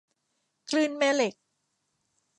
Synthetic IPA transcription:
kʰlɯː˥˩nmɛː˥˩le˨˩k̚

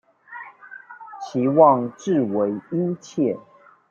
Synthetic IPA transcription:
t͡ɕʰi˨˦wɑ˥˨ŋʈ͡ʂɻ̩˥˨we˧˦ɪi˥˦t͡ɕʰjɛ˥˨

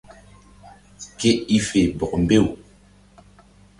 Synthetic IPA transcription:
ke˦i˦fe˨bɔ˨k̚mbe˦˨w

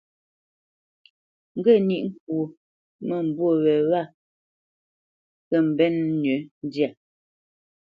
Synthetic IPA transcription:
ŋ̩˦ɡə˦˨ni˦ʔŋ̩˦˨k̚wo˨ | mə˦˨m̩˨bwo˦˨wɛ˨wa˦˨ | kə˦˨m̩˨bɛ˦n˦nɥə˨˦n˦dja˨

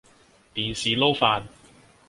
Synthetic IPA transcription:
t̪iː˨nsiː˨lo˥wfaː˧n

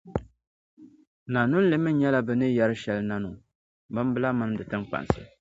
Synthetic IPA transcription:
na˨nu˦n̩˦lɨ˦mɨ˦ɲɛ˦la˦bɨ˨nɨ˦jɛ˦ɾɨ˦ʃɛ˦lna˦nʊ˨ | bɨ˦m˦bɨ˦la˦mɨ˦ndɨ˨tɨ˦ŋk͡pa̰˨n˨sɨ̰˦

